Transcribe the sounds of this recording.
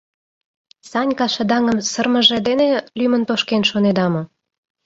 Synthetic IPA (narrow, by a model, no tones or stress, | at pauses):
sɑnʲkɑʃə̆d̪ɑŋə̆msərmə̆ʒĕd̪enelymə̆nt̪oʃkenʃoned̪ɑmŏ